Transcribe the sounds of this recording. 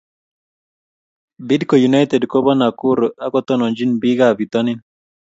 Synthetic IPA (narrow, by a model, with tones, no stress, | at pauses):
bi˦dko˨ju˨na˦jt̪ɛ˨dkɔ˦bɔ˦na˨ku˦ɾa˦kɔ˦t̪ɔ˦nɔ˨ɲd͡ʒi˦nbi˦ɡabi˨t̪ɔ˦ni˦n